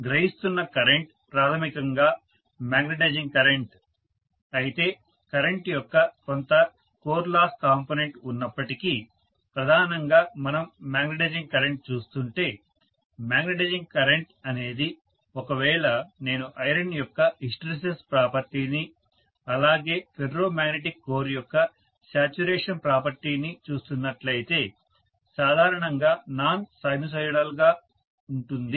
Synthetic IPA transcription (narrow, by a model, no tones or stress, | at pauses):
ɡɾɐɦist̪unːɐkɐɾeɳʈ | pɾaːt̪ʰɐmikɐŋɡaː | maːɡneʈed͡ʒiŋkɐɾeɳʈ | ɐjit̪e̞ː | kɐɾeɳʈjɔkːɐkont̪ɐ | koːɾlaːskaːmpoːneɳʈunːɐpːɐʈiki | pɾɐd̪ʱaːnɐŋɡaːmɐnɐmːaːɡnɐʈeːd͡ʒiŋkɐɾeɳʈ̚t͡ʃuːst̪uɳʈe̞ː | maːɡnɐʈed͡ʒiŋkɐɾeɳʈɐne̞ːd̪i | ɔkɐʋɛːɭɐne̞ːnuʔɐjɾɐnjɔkːɐisʈɾes̬espɾaːpɐɾt̪iːni | ɐlaːɡe̞ːpʰeɖɾo̞ːmaːɡneʈikːo̞ːɾijɔkːɐ | saːt͡ʃuɾeːʂɐnpɾaːpɐɾt̪iːnit͡ʃuːst̪unːɐʈlɐjit̪e̞ː | saːd̪ʱaːɾɐɳɐŋɡaːnaːnsɐjnus̬ɐjɽaːluɡaː | uɳʈund̪i